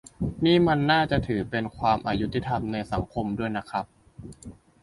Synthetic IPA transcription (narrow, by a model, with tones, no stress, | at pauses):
niː˥˩ma˧nːaː˥˩t͡ɕa˨˩ʔt̪ʰɯː˩˦pe˧nkʰwaː˧mʔaː˧˩ju˦˥t̪ːi˧˩t̪ʰa˧mna˧jsa˩˦ŋkʰo˧mdu˥˩əjna˦˥kʰɾa˦˥p̚